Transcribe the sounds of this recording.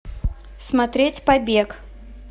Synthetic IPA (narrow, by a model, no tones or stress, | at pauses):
smat̪ɾʲɛt͡sʲpabʲɛk